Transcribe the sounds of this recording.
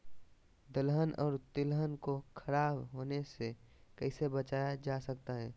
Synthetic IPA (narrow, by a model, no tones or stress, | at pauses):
d̪əlɦənɔ̰ːɾt̪ɪlɦənkokʰɐɾaːbɦoːnese | kɛɪsebət͡ʃaːjad͡ʒaːsɐkt̪aɦɛː